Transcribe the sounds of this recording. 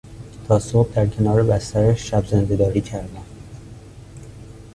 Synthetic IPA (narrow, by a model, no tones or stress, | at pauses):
t̪ʰɒːsob̚d̪æɾcʰe̞nɒːɾebæst̪æɾæʃʃæbzend̪ed̪ɒːɾiːcʰæɾd̪æm